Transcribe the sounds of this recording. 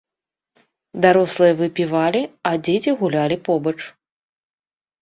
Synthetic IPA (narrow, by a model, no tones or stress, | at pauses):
d̪aɾɔslˠɨjɐvɨpʲivalʲiɐd͡zʲet͡sʲiɣulʲalʲipɔbɐt͡ʂ